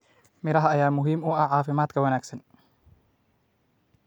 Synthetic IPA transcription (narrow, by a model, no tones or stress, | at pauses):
mɪɾɐɦɐːjaːmʊɦiːmʊɐʕɑːfɪmaːd̪kʰɐwɐnaːɡsɐn